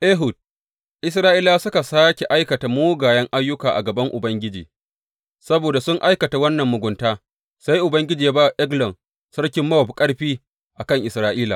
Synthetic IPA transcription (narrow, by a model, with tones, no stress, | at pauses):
ʔeː˦ɦʊ˨d̚ | ʔɪ˦s̬ɾaː˦ʔiː˦laː˦sʊ˦ka˨saː˦kʲe˨ʔa˦jkɐ˨ta˨moː˦ɡaː˨jɐ˦ŋʔa˦jːʊ˦kaː˨ʔa̰˨ɡɐ˨bɐ˦ŋʔʊ˨bɐ˦ŋɡʲɪ˦d͡ʒḭː˨ | sɐ˦boː˨da˨sʊ˦ŋʔa˦jkɐ˨ta˨wɐ˦nːɐ˨mːʊ˨ɡʷʊ˨ntaː˦ | sa˦jʔʊ˨bɐ˦ŋɡʲɪ˦d͡ʒiː˨ja˦baː˦wa˨ʔɛ˦ɡlɐ˨n | sɐ˦ɽkʲɪ˦mːɐ˦wɐ˨pkʼɐ˦ɽɸiː˦ | ʔa˨kɐ˦˨ŋʔɪ˨sɾaː˦ʔiː˦laː˨